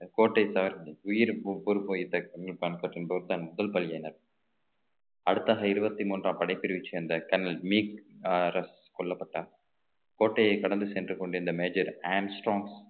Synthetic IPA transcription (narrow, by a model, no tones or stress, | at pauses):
koːʈːɐɪsɐʋɐɾʊjɪɾbʊɾɯpoːɪt̪ːɐɐŋɡɭpaːnkɐːʈːɪnbɐːɾt̪ːaːnmʊðɐlpɐlɪjɐjnɐɾ | ɐɽɯt̪ːaːɣɐɪɾɯbɐt̪ːimuːndrãːpɐɽɐɪpːɪɾɪʋɪt͡ʃːɯɐnd̪ɐkɐnɐlmiːkɾɐs | kɔɭːɐpːɐʈːaː | koːʈːɐjɐɪkɐɽɐnd̪ɯsɛndrɯkɔɳɖɯɪnd̪ɐmeːd͡ʒɐɾaːmsʈɾoːŋɡs